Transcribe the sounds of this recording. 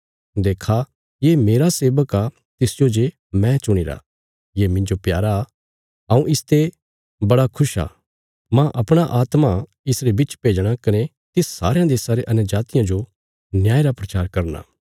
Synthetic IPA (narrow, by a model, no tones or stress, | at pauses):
d̪eːkʰa | jemeːɾaseːbəka | t̪ɪsd͡ʒod͡ʒe | mɛ̃t͡ʃʊɽ̃iɾa̰ | jemɪ̃ɲd͡ʒopjaːɾa | ɦɐũʔɪst̪e | bɐɽakʰʊʃa̰ː | mãʔɐpɽ̃aʔaːt̪ma | ɪsɾebɪt͡ʃpeːd͡ʒɽ̃akɐne | t̪ɪsːa̰ːɾejãd̪eːsãɾeʔɐnd͡ʒaːt̪ɪjãd͡ʒo | njaːeɾapɾɐt͡ʃaːɾkɐɾna̰ː